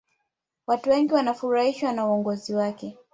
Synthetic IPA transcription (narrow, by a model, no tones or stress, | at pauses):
watuwɛŋɡiwanafuɾahiʃwanauɔŋɡɔziwakɛ